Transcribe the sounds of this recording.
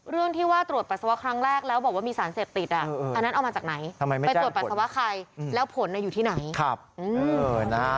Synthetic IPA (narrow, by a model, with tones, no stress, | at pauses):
ɾɯ˥˩əŋt̪ʰiː˥˩waː˥˩t̪ɾu˨˩ət̪̚pa˨˩t̪sa˧wa˦˥kʰɾa˦˥ŋɾɛː˥˩k̚lɛː˦˥wbɔː˨˩k̚waː˥˩miː˧saː˩˦nseː˨˩p̚t̪i˨˩t̪̚ʔa˨˩ʔːa˧nːa˦˥nʔa˧wmaː˧t͡ɕaː˨˩kna˩˦j̪ʰa˧ma˧jma˦a˧jtu˨˩t̪̚pa˨˩t̪̚sa˧wa˦˥kʰa˧jlɛː˦˥wpʰo˩˦nʔa˧juː˨˩t̪ʰiː˥˩na˩˦jkʰa˦˧˩p̚ʔɯː˧˩na˦